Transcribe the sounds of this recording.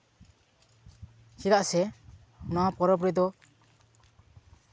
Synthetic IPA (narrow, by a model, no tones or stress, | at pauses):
sid̪aʔsɛ | nɔapɔɾɔpɾid̪ɔ